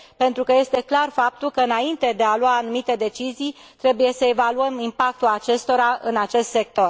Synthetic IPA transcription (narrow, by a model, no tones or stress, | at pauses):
pe̞nt̪ɾukəje̞st̪e̞klarfap̚t̪ulkəɨnaint̪e̞d̪e̞aluaːnumit̪e̞d̪e̞t͡ʃizijt̪ɾe̞buje̞səe̞valuəmimpak̚t̪ulat͡ʃe̞st̪o̞ɾaɨnat͡ʃe̞st̪se̞k̚t̪o̞r